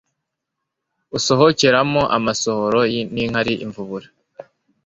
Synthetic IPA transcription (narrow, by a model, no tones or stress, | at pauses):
uso̞ɦoceɾamoʔa̰maso̞hoɾojiniŋ̥haɾiʔiɱvuβuɾḁ